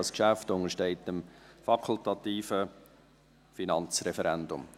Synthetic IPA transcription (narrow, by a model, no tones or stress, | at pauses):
ɑskʃæftʊŋəɾʃtɛɪtəmfɑkʰʊlt̪ɑt̪iːfə | finɑnt͡srɛfəɾɛndʊ̰m